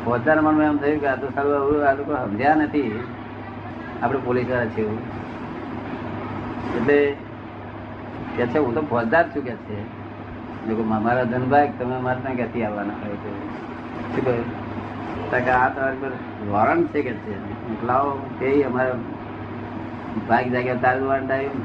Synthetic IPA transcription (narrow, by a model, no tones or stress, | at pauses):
bʰʱod͡ʒd̪aɾmənmeəmt̪ʰəjũkat̪osaluaualokoɦəmd͡ʒanət̪ʰi | apɽepolisʋaɾat͡ʃʰeũ | eʈle | kɛt͡ʃʰeɦũt̪obʱɔd͡ʒd̪aɾt͡ʃʰũkɛt͡ʃʰe | nekommaɾad̪ʱənbʱajk̚t̪əmẽmaɾnãkɛt̪ʰiaʋanaɦɔjet̪o | t͡ʃʰuk | t̪akaat̪ʋanipəɾ | d̪ɔɾəɳt͡ʃʰekɛt͡ʃʰe | niklaokʰeiəmaɾo | bʱajɡd͡ʒakat̪aldʋɾəɳʈaju